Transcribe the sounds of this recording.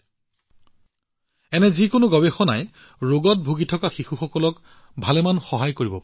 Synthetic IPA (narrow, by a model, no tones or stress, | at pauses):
ɛnɛzikʊnʊɡɔbexɔna̰j | ɹoɡɔt̚bʱuɡitʰɔkaxixuxɔkɔlɔk | bʱalɛmanxɔɦajkoɹibɔpa